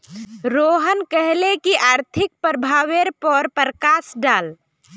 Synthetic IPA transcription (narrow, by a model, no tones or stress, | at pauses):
ɾoɦənkəɦlekiʔaːɾt̪ʰɪk̚pɾəbʱaːʋeɾpɔɾpəɾəkaːsɖaːl